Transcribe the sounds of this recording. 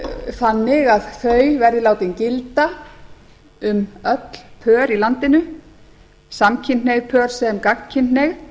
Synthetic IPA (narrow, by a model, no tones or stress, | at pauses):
θanːɪɣaðθœːɥvɛɾðɪlaːwt̪ɪncɪlt̪a | ʏmœt̪l̥pʰœːɾilant̪ɪnʏ | samcʰɪnneɣpʰœːɾ̥sɛmkakŋ̥cʰɪnt̪neɣ